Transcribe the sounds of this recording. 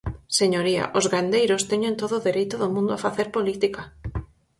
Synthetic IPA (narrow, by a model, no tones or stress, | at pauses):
seɲoɾia̰ʔozɣand̪ejɾʊst̪eɲont̪oðoðeɾejt̪oðomũnd̪oafaθeɾpolit̪ika